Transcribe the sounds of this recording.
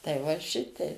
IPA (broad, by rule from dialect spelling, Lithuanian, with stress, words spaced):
tɐɪ ʋɐ ˈʃʲɪtʲɛɪ